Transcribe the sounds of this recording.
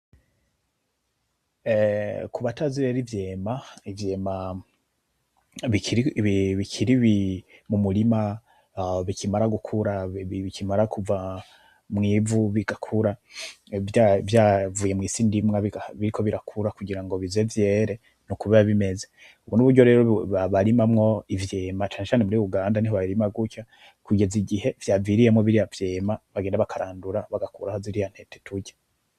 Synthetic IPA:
kuβataziβeɾivjeːmaivjeːma | βi | βikʰiɾiβimumulima | βicʰimaɾaɡukʰuɾaβikʰimaɾakuva | mŋiːvuβiɡ̥akʰuɾa | avjavuːje̞mŋiːsiːndimŋaβiaβiɾikʰo̞βiɾakʰuɾakuɡiɾaŋɡo̞βize̞vje̞ːɾe̞ | nukuβeɾaβime̞ze | uβunuβuɾɟo̞ɾe̞ːɾoβaβaɾimamŋo̞ivje̞mat͡ʃaːnet͡ʃaːnemuɾiuɡaːndaniɦoβaɾimaɡuca | kuɡe̞ziɡihe̞vjaːviːɾije̞mŋoβiɾijavje̞ːmaβaɡeːndaβakʰaɾaːnduɾaβaɡakuɾahoziɾijan̥he̞te̥tʰuɟḁ

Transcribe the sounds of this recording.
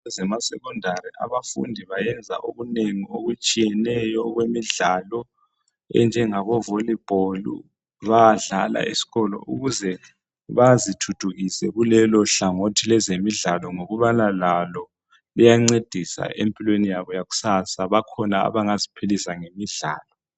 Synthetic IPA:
ɛzɛmasɛkɔndʱaɾiʔa̰βafṵndʱiβajɛnd͡zʱa̰ʔoɣuneŋioɣut͡ʃʼijɛnɛjɔɣwemiɮalɔ | ɛ̰nd͡ʒʱɛŋaβɔvolib̥ʱolṵ | βaɮala̰ḭsi̥ɣɔlɔ̰ʔṵɣuzɛ | βazitʰud̥ʰʱuɣisɛɣulɛlɔɬaŋotʰilɛzemiɮalɔŋoɣuβanalalɔ | lijaŋ͡ǀed̥ʱisa̰ʔempʼilwenijaβɔjaɣu̥sasaβakʰɔnaa̰βaŋazipʰilisaŋemiɮa̰ːlɔ

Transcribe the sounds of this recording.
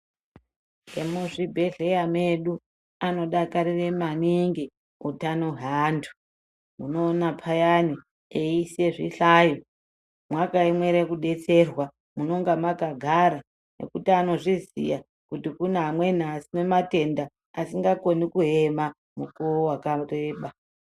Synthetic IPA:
emuʐibʱe̞ɮe̞jame̞ɗu | ano̞ɗakaɾire̞maniŋɡi | utanoɦaːndʰʱu̥ | muno̞ːnapʰajani | eiseʐiɬaːjo | mwakaimwe̞ɾekuɗe̞t͡se̞rwa | muno̞ŋɡamakaɡʱaɾa | ne̞̰kutiano̞ʐizḭja | kutikunaɦamwe̞n̤asine̞mate̞nda | asiŋɡako̞nikuɦema | mukoowakareɓa

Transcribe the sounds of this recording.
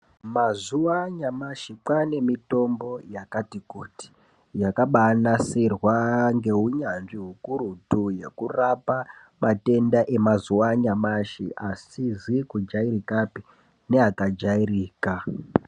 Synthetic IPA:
mazuwaɲamaʃikwane̞mito̞mbo̞jakatikuti̥ | jakaɓanasirwaŋɡe̞ɦuɲanʐiɦukuɾutuje̞kurapa | mate̞ndaʔe̞mazuwaɲamaʃḭʔasizikud͡ʒairikapi | ne̞akad͡ʒairiːka

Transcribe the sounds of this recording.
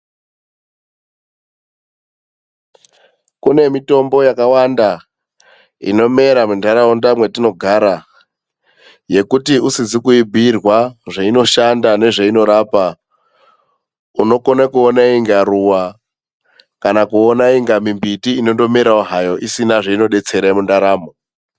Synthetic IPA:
kune̞mito̞mbo̞jakawanda | ḭno̞me̞ɾamundaɾaondamwe̞tino̞ɡʱaɾa | je̞kutiusizikuibʱirwaʐaino̞ʃandane̞ʐeino̞ɾaːpa | uno̞konakuonaiŋɡaɾuwa | kanakuonaiŋɡamimbitiːno̞ndo̞meɾauɦajo̞ʔisinaʐeino̞ɗe̞t͡se̞ɾemundaɾaːmo

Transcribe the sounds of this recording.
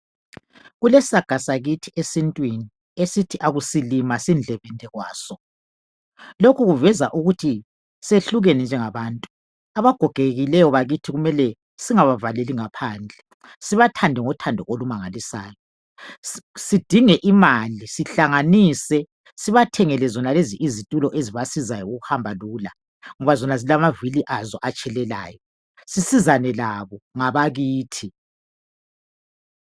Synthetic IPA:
ɣulɛsaɡ̥ʱasaɣitʰiesintʼwini | esitʰiʔaɣusilimasind͡ɮʱɛβɛntʼɛɣwaːsɔ | lokʰuɣuvɛzaʔuɣutʰi | seɬuɣenɛnd͡ʒʱɛŋaβaːntʼu | aβaɡ̥ʱɔɡ̥ʱeɣilɛjɔβaɣitʰiɣumɛlɛ | siŋaβavaleliŋapʰaːnd͡ɮʱɛ | siβatʰandʱɛŋɔtʰandʱɔʔolumaŋalisa̰ːjɔ | sid̥ʱiŋɛʔimalisiɬaŋaniːsɛ | siβatʰɛŋɛlɛzɔnaleziʔizitʼulɔʔeziβasizajɔuɣuhambʱaluːla | ŋɔβazɔnazilamaviliʔazɔʔat͡ʃʼɛlɛla̰ːjɔ | sisizanɛlaβɔŋaβaɣiːtʰi

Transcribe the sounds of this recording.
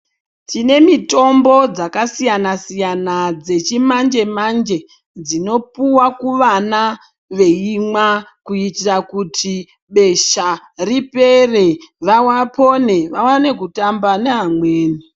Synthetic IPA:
tine̞mito̞mbo̞d͡zakasijanasijanad͡ze̞t͡ʃimand͡ʒe̞mand͡ʒe̞ | d͡zino̞puwakuʋana | ʋe̞imwakuitirakutʰi | ɓe̞ʃa | ripe̞re̞ʋawapo̞ne̞ʋawane̞kutambaneɦamwe̞ːni

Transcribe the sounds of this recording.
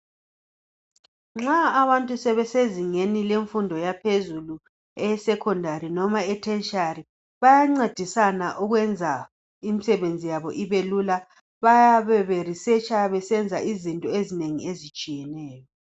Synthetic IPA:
ŋ͡ǁaːβantʼusɛβɛseziŋenileɱfundʱɔjapʰezulu | ɛsɛkʰɔndʱaɾinɔmaɛtʰɛnt͡ʃari | βajaŋ͡ǀed̥ʱisanaʔuɣwɛnd͡zʱa | imisɛβend͡zʱijaβɔʔiβelula | βajaβɛβerisɛt͡ʃʼaβɛsɛnd͡zʱaizintʼɔezineŋḭezit͡ʃʼijɛnɛːjɔ

